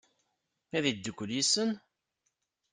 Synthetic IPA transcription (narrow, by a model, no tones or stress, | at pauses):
æðid̪ːəkʷːəljisən